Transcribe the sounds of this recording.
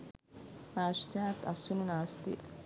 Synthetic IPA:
aːʃt͡ʃaːt̪ɐ̰sununaːst̪ḭ

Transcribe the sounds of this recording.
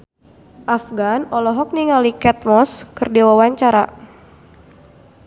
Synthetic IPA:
ʔafɡanɔlɔɦɔk̚niŋalikɛt̪̚mɔskɨrdiwawaɲt͡ʃaɾa̰

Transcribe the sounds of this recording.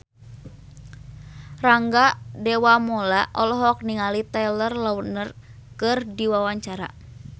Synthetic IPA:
raŋɡadɛwamɔlaʔɔlɔɦɔk̚niŋalit̪alərlawənər | kɨrdiwawaɲt͡ʃaɾa̰

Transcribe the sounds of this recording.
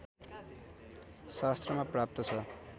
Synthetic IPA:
sast̪rʌmaprap̚t̪ʌt͡sʰʌ

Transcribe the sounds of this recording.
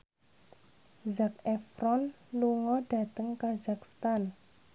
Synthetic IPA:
zak̚ɛfɾɔn | luŋɔɖ̥a̤t̪əŋkazakst̪an

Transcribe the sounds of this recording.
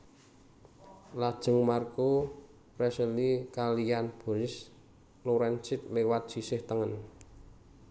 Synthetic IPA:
lad̥ʒ̥ə̤ŋmarko | rɛsəlikalijanb̥o̤nɪs | loɾɛnt͡ʃɪt̪̚lewat̪̚sisɪht̪əŋən

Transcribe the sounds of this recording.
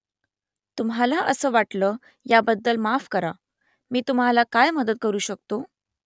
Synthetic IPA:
t̪umɦalaʔəsəːʋaʈləː | jabəd̪ːəlmafkəɾa | miːt̪umɦalakajməd̪ət̪̚kəɾuːɕək̚t̪o

